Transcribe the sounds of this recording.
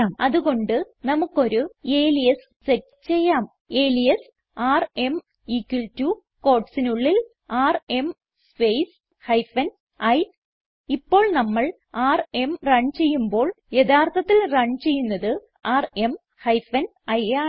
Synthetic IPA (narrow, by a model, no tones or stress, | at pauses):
aːmɐðuɣo̞ɳɖɨ | nɐmukːo̞ɾue̞ːlijes | setː | t͡ɕe̞jːaːm | e̞ːlijes | aːrem | ikːiltːu | ko̞ːʈsinuɭːil | aːrem | spejs | hɐjfɐn | ɐj | ipːo̞ːɭnɐmːɐɭ | aːre̞mrɐɳt͡ɕe̞jːumbo̞ːɭ | je̞ðaːrt̪ʰɐt̪ːilrɐɳɖt͡ɕe̞jːunːɐðɨ | aːre̞m | hɐjfɐn | ɐjaː